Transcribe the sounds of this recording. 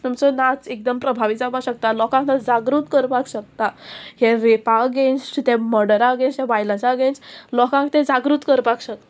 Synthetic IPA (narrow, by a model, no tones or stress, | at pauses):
t̪umsənat͡sek̚d̪əmpɾəbʱaʋid͡zabaɕək̚t̪alɔkãŋkt̪ãd͡zaɡɾuːt̪kəɾpakɕək̚t̪aɦɛʋepaɡenst̪ɛ̃məɽəɾaɡẽnsjaʋajlãsaɡẽnt͡slɔkãŋkt̪ɛ̃d͡zaɡɾut̪kəɾpakɕək̚t̪a